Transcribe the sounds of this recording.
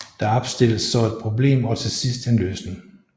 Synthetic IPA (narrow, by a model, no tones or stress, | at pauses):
d̥ɑ̈ɒb̥sd̥e̝l̰əsːɒ̽e̝d̥̚pʰʁo̝ble̝̰ːmɒ̽t͡sʰe̝sisd̥enlø̰ːsneŋ